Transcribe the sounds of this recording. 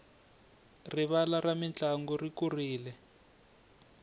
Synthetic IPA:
riβalaramint͡ɬʼaŋɡɔrikuriːlɛ

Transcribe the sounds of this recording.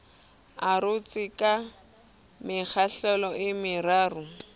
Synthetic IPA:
arʊt͡sɪkʼa | mɪk͡xʰaɬɛlɔʔɪmɪraːrʊ

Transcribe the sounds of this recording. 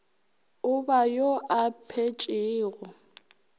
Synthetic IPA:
ʊbajoʔapʰet͡ʃʼɪːɣɔ

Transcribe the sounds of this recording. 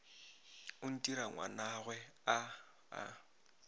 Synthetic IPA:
ʊn̩tʼiɾaŋwa̰naɣwɛa | a̰

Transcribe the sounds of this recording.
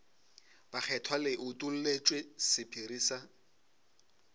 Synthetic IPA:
b̥ak͡xʰɛtʰwalɪʔʊtʼul̩let͡ʃʼwesɪpʰiɾiːsa

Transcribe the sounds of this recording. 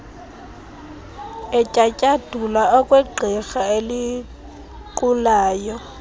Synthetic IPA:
ɛcʼacʼad̥ʱulaɔkʼwɛɡ͡ǃʱɛxaeli | kʼulaːjɔ

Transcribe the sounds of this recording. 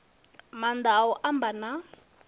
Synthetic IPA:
mand̪aɔʔambana

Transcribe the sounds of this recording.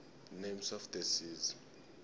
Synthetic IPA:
nemsɔfd̪ɛsiz

